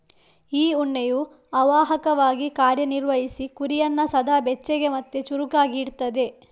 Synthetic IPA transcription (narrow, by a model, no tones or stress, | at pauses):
iːuɳːeju | ɐʋaːɦɐkɐʋaːɡikaːɾjɐniɾʋɐɦisikuɾijɐnːɐsɐd̪ʱaːbɛt͡ʃːeɡe̞mɐt̪ːet͡ʃuɾukaːɡiɽt̪ɐd̪e̞